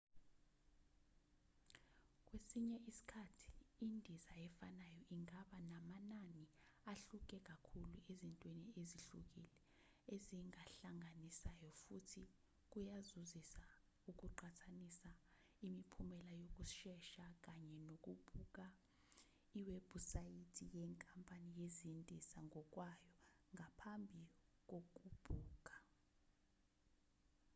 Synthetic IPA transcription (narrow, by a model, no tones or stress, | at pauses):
k̬ʼwesiɲɛʔisi̥kʰatʰi̥ːndʱizajɛfanajɔʔiŋaɓanamananiaɬuk̬ʼɛk̬akʰuluezintʼwenieziɬuk̬ilɛ | eziŋaɬaŋʱanisajɔfutʰi | k̬ujazuzisa | uk̬uǃatʰanisa | imipʰumɛlajok̬ʼuʃɛʃak̬ʼaɲɛnok̬ʼub̥ʱuk̬ʼa | iwɛbʱusajitʰijɛŋkʼampʼanijezintʼisaŋʱɔk̬ʼwajɔ | ŋɡʱapʰambʱik̬ok̬ʼub̥ʱuːk̬ʼḁ